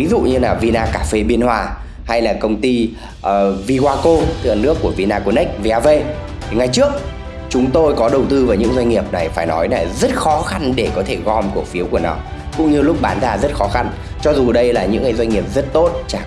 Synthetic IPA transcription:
vi˨˦zṵ˧˨ɲɨ˧laː˨˩vi˧naː˧kaː˧˩fe˧ɓi˧ənhwaː˧ | ha˧jlaː˨˩kə˧wŋ͡mt̪i˧ | ʔvi˧ɣwaː˧ko˧t̪ʰɨ˧˩a˨nːɨ˦˥əkːu˧˩əvi˧naː˧ko˧nɛ˦˥k̟̚ve˧ʔaː˧ve˧tt̪ʰi˨˩ŋa˨˩jt͡ɕɨ˦˥ək̚ | t͡ɕʊ˨˦ŋ͡mt̪o˧jkɔ˨˦ɗə˨˩wt̪ɨ˧vaː˨˩ɲɨ̰˧˥ŋzwa˧jŋ̟ŋi˨˩əp̚na˨˩jfaː˧˩jnɔ˨˦jna˨˩zə˦˥t̚xɔ˨˦xa˧nɗe˧˩kɔ˨˦t̪ʰe˧˩ɣɔ˧mku˨˩ək̚fi˨˦əwku˧˩ənɔ̰˨˦kʊ̰˧˥ŋ͡mɲɨ˧lʊ˦˥k͡p̚ɓaː˨˦nzaː˧˩zə˦˥t̚xɔ˨˦xa˧n | t͡ɕɔ˧zu˨˩ɗə˧jlaː˨˩ɲɨ̰˧˥ŋːaː˨˩jzwa˧jɲ̟ŋi˨˩əp̚zə˦˥t̚t̪o˦˥t̚t͡ɕaː˧˩

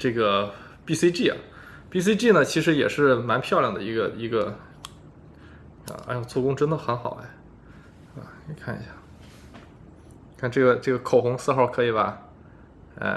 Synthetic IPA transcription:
ʈ͡ʂɤ˥˩ɡə˩ | pi˥si˥ʈ͡ʂi˥˩ɐ̰˨˩ | pi˥˧s̬i˥ʈ͡ʂi˥˩nə˩t͡ɕʰi˧˥ʂ̬ɻ̩˧˥jɛ̰˨˩ʂɻ̩˥˧˩ma˧˥npʰjɑ˥˧ʊljɑ˨˩ŋd̪ə̰˩i˧˥ɡə˧i˧˥ɡə˧˩ | a̰˧˥t͡ɕʰʊt͡su˥˩kʊ˥ŋʈ͡ʂə˥nd̪ə˨xə˧˥nxɑ˨˩ʊɛ̰˧˥ | ɐ̰˧˩ni˨˩kʰa˥˩nḭ˧˥ɕja˥˩ | kʰa˥˧nʈ͡ʂɤ˥˩ɡə˩ʈ͡ʂɤ˥˩ɡə˩kʰo˨˩ʊxʊ˧˥ŋsɹ̩˥˧xɑ˥˩ʊkʰɤ˧˥i˨˩bɐ˧ | ɛ̰˥˧˩

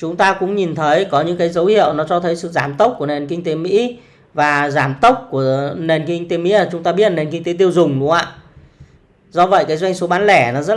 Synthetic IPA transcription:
t͡ɕʊ˨˦ŋ͡mt̪aː˧kʊ̰˧˥ŋ͡mɲi˨˩nt̪ʰə˨˦jkɔ˨˦ɲɨ̰˧˥ŋkaː˨˦jzə˨˦whḭ˧˨əwnɔ˨˦t͡ɕɔ˧t̪ʰə˨˦jsɨ̰˧˨zaː˧˩mt̪ə˦˥wk͡p̚ku˧˩əne˨˩nkï˧ŋ̟t̪e˨˦mḭ˧˥ | vaː˨˩zaː˧˩mt̪ə˦˥wk͡p̚ku˧˩əne˨˩nkï˧ŋ̟t̪e˨˦mḭ˧˥a˨˩t͡ɕʊ˨˦ŋ͡mt̪aː˧ɓi˦˥ət̚ne˨˩nki˧ŋ̟t̪e˨˦t̪̬i˧əwzʊ˨˩ŋ͡mlʊ˧˦əŋʔa̰ː˧˨ | zɔ˧və̰˧˨jkaː˨˦jzwa˧jŋ̟so˨˦ɓaː˨˦nlɛ˧˩nɔ˨˦zə˦˥t̚

